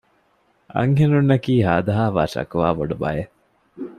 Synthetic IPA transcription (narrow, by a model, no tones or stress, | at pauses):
ʔɐ̰ŋɦenunːɐkiːɦaːd̪ɐɦaːʋaːʃɐ̰kuʋaːboɖubɐ̰je